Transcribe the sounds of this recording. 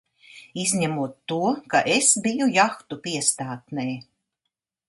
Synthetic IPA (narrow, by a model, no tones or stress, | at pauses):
izʲɲæmuɔt̪ːuɔkaʔesbijujaxt̪upiɛst̪aːt̪nɛj